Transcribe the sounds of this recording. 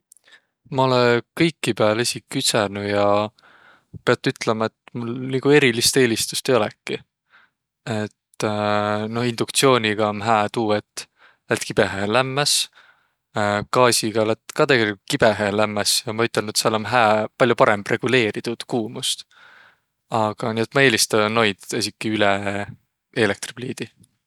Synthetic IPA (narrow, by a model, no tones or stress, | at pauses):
mɑo̞lekɤjkːipeɑlesʲikːysenujɑ | pe̞ɑt̪ːˑyt̪ːlemɑe̞t̪ːmulniːɡ̥ue̞ɾilist̪e̞ːlist̪u̥st̪e̞jo̞lɛkːˑi | e̞t̪ː | no̞hind̪̥ukt̪sio̞ːnʲiɡ̥ɑonɦæːt̪uːet̪ːˑ | læt̪kib̥e̞ɦelæmːæs | kɑːsʲiɡ̥ɑlæt̪ːkɑt̪eɡelʲikukib̥e̞ɦelæmːɑsjɑmɑyt̪ːˑe̞lnut̪sɑlonɦæːpɑljupɑɾemb̥rʔe̞ɡ̥ule̞ːɾit̪ud̪̥kuːmust̪ | ɑɡ̥ɑniːe̞t̪mɑe̞ːlist̪ɑnːo̞jd̪̥es̬ʲikːˑiylɛ | ele̞k̚t̪rib̥liːd̪̥i